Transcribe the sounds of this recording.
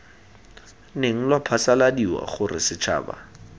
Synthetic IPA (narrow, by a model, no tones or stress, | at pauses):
neŋ̩lwapʰasaladiwa̰χʊrɪ̰sɪt͡ʃʰa̰ːba̰